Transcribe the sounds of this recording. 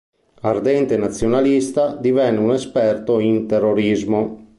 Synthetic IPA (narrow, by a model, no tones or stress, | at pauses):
ard̪ɛnt̪enat̪sːjonalist̪ad̪ivɛnːeunɛspɛrt̪oint̪ɛrːoɾizmo